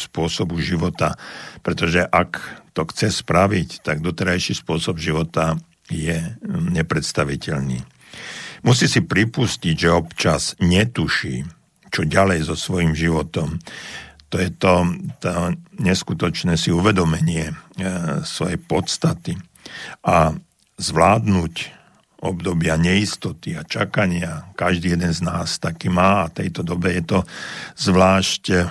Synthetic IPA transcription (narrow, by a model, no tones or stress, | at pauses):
spʊɔsɔbuʒiʋɔt̪apɾɛt̪ɔʒɛʔakt̪ɔxt͡sɛspɾaʋict̪aɡd̪ɔt̪ɛɾajʃiːspʊɔsɔbʒiʋɔt̪a | jɛɲɛpɾɛt̪st̪aʋicɛʎnḭː | musiːsipɾipusciɟʒɛɔpt͡ʃaz̥ɲɛt̪uʃiː | t͡ʃɔɟalɛjzɔsʋɔjiːmʒiʋɔt̪ɔm | t̪ɔjɛt̪ɔt̪ɔɲɛskut̪ɔt͡ʃnɛːsiuʋɛd̪ɔmɛɲɪɛ | sʋɔjɛpɔt̪st̪at̪i | ʔa | zʋlaːd̪nuc | ʔɔbd̪ɔbɪaɲɛist̪ɔt̪iat͡ʃakaɲɪakaʒd̪iːjɛd̪ɛnznaːst̪akiːmaːat̪ɛjt̪ɔd̪ɔbɛjɛt̪ɔzʋlaːʃc